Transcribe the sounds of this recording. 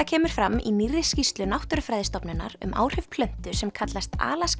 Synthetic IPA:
acʰɛːmʏɾ̥fɾamːḭnirːɪscist̪lʏnawht̪ʏɾfɾaːjðɪst̪ɔpnʏnːa̰ɾʏ̰mʔa̰ːwr̥hʏvpʰlœn̥t̪ʏsɛmkʰat̪last̪a̰ːlas

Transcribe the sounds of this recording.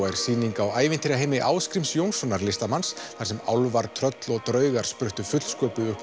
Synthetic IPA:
ɛɾ̥siːniŋkawaːjvɪnt̪ʰiɾaɦejmɪʔaːwskɾimsjownsɔnaɾlɪst̪amansθaɾ̥sɛma̰wlvaɾt̪ʰɾœt̪lɔɣt̪ɾœːɥɣaɾ̥spɾʏht̪ʏfʏt̪l̥skœːpʏʏhp

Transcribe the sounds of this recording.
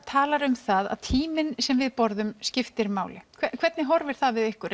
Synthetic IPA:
t̪ʰaːlaɾʏmθaða̰ðt̪ʰiːmɪnsɛmvɪðpɔɾðʏmscɪft̪ɪɾmaːwlɪ̰kʰɛkʰvɛt̪nɪɦɔɾvɪɾ̥θaðvɪðɪhkʏɾ

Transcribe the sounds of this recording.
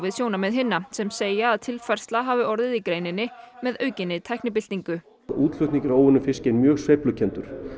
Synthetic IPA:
vɪðsjoːwnamɛðɦɪnːasɛmseːjaːðt̪ʰɪlfajr̥st̪laɦaːvɪɔɾðɪðikɾejnɪnːɪmɛðœːɥcɪnːɪt̪ʰajhknɪp̬ɪl̥t̪niŋkʏ | uːt̪l̥ʏt̪niŋcɪɾoːwɪnʏfɪscejnmjœːɣsvejplʏcʰɛnt̪ʏɾ̥

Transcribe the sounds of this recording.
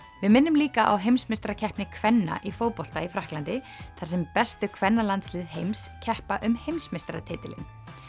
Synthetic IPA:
vɪðmɪnːʏmliːkaʔa̰wɦejmsmɪst̪ɾacʰɛhpnɪkʰvɛnːa̰ʔifowpol̥t̪aifɾahklant̪ɪ | θaɾ̥sɛmpɛst̪ʏkʰvɛnːalant̪slɪːðɦejmscʰɛhpaʔʏmhejmsmɪst̪ɾat̪ʰɪːt̪ɪlɪ̰n

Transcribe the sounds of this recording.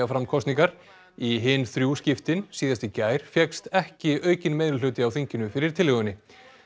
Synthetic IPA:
afɾamkʰɔst̪niŋkaɾ̥ | iɦɪːnθɾjuscɪft̪ɪnsiːðast̪ɪcaːjɾ̥fjɛkst̪ɛhcɪœːɥcɪnmeːjðlʏlʏːt̪ɪawθiɲcɪnʏfɪɾɪɾ̥t̪ʰɪlʏɣʏnːɪ

